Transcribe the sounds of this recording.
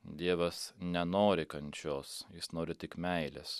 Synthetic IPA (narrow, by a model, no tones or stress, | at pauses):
d̪ʲiɛʋɐsnʲɛnoːɾʲɪkɐnʲt͡ʃʲoːsjɪsnoːɾʲɪt̪ʲɪkmʲɛɪlʲɛs